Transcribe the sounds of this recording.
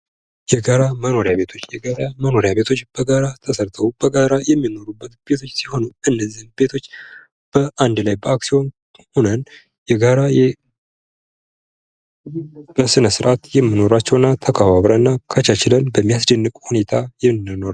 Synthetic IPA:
jɛɡaɾaməno̞ɾjaβe̞t̪ʰo̞t͡ʃːjɛɡaɾaməno̞ɾjaβe̞t̪ʰo̞t͡ʃːb̥əɡaɾat̪ʰəsəɾt̪ʰəwub̥əɡaɾajɛmːino̞ɾubːət̪b̥e̞t̪ʰo̞t͡ʃːsiho̞nuʔɨnːəzinbe̞t̪ʰo̞t͡ʃː | b̥əʔand̪lajbəaksio̞n | ho̞nən | jɛɡaɾajɛ | b̥əsɨnəsɨɾʔat̪jɛmːino̞ɾat͡ʃːɛwɨnːat̪ʰəkʰəβaβɾəɨnːakʰət͡ʃat͡ʃɪlənbəmːijasd̪ənːɨkʼhune̞t̪ʰajɛnɨno̞ɾa

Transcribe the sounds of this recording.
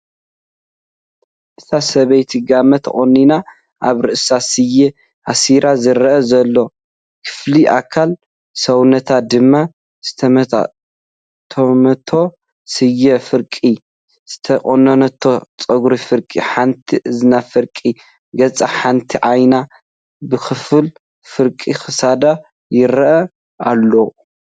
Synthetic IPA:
ʔɨt̪ʰasɐβɐjt̪ʰiɡamɐt̪ʰχʼonːina | ʔa̰βɾɨʔɨsasɨjɛ | ʔasiɾazɨɾɐʔɐzɐlːo̞ | kʰɨ̥fliʔa̰kʰːal | sɐwnɐt̪ʰad̪ɨmːa | z̥ɨt̪ʰ | t̪ʰɐmɐt̪ʰo̞ | sɨjːɛfɨɾkʼi | z̥ɨt̪ʰɐkʼonɐnɐt̪ʰːot͡sʼɐɡɾifɨɾkʼḭħant̪ʰiʔɨzɨnafɨɾkʼi | ɡɐt͡sʼaħant̪ʰiʕajna | bɨxɨfɨl | fɨɾkʼixɨsad̪a | jɪɾɐʔɐ | alːo

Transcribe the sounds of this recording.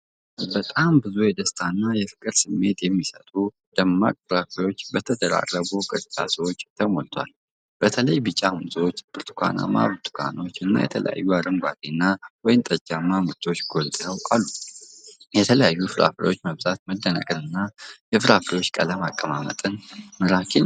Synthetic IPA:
bət̪ʼambɨzujɛd̪əst̪ʰanːajɛfɨ̥kʼɨɾsɨmːe̞t̪jɛmːisə̰t̪ʼu | d̪̥əmːa̰kʼfɨɾafɾo̞t͡ʃːbət̪ʰəd̪əɾa̰rːəɡukʼɨt̪ʼɨt͡ʃʼa̰səwot͡ʃːt̪ʰəmo̰lt̪ʰwa̰l | b̥ət̪ʰələjbɨt͡ʃʼːamsəwot͡ʃːb̥ɨɾt̪ʰu̥kʷʰa̰na̰ma̰βɨt̪ʰu̥kʷʰa̰no̞t͡ʃːɨnːa̰jɛ̰t̪ʰələ̰ja̰jːuaɾɨŋɡʷat̪ʰenːawɔjɪnt̪ʼəd͡ʒamːamɨɾt̪ʰo̞t͡ʃːɡolt̪ʼjəwalːu | jɛt̪ʰələjajːufɨɾa̰fɾio̞t͡ʃːməβt̪ʼat̪̚məd̪ːənə̰kʼɨnɨnːajɛfɨɾafɾio̞t͡ʃːkʼələmakʼːəmamə̰t̪ʼɨnməɾakʰen

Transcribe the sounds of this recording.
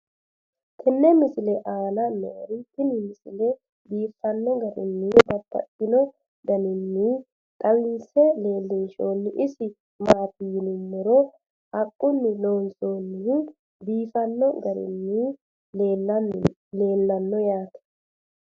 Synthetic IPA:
k̪ʰɪnːɛmɪsɪlɛʔaːnɐnɛɔɾɪt̪ɪnɪmɪsɪlɛ | b̪iːfːɐnːɔɡɐɾɪ̰nːɪbɐt̪ːɐ̰tːɪnɔ | ɡ̪ɐnɪnːɪ | t̪ʼɐwɪnsɛleːlːɪnʃoːnːɪʔɪsɪ | maːt̪ɪjɪnɪmːɔɾɔ | ɐkʼːʊnːɪloːnsoːnːɪ | biːfɐnːɔɡɐɾɪ̰nːɪ | le̞ːlːɐnːɔjaːt̪ɐ̥

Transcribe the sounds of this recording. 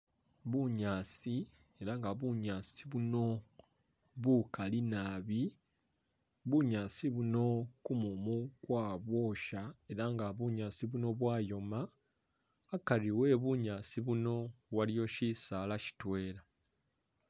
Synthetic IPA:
βuɲaːsi | e̞ɾaŋɡaβuɲaːsiβuno̞ | βukalinaːβi | βuɲaːsiβuno̞kumumukwaːβwo̞ːʃae̞ɾaŋɡaβuɲaːsiβuno̞βwaːjo̞maː | kaliwe̞ːβuɲaːsiβuno̞βwaljo̞ʃisaːlaci̥twe̞ːɾa

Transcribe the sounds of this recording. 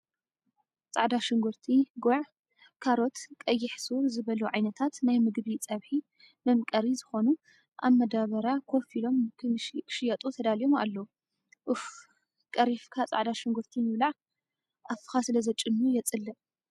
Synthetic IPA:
t͡sʼaʕd̪aʃɨŋɡuɾt̪ʰiɡoʕ | kʰaɾo̞t̪kʼɐjːɪħsozɨβɐluʕajnɐt̪ʰat̪najmɨɡbit͡sʼɐβħi | mɨmkʼɐɾizɨxo̞nu | ʔa̰βmːɐd̪aβɐɾakʰo̞filo̞mkʰkʰʃɪjat̪ʼut̪ʰɐd̪alijo̞ma̰lːɐu | ʔɨf | kʼɐɾifkʰat͡sʼa̰ʕd̪aʃɪŋɡuɾt̪ʰimɨβlaʕ | ʔafɨ̥xasɨlɐzɐt͡ʃʼɨnːujɛt͡sʼɨlːɨ

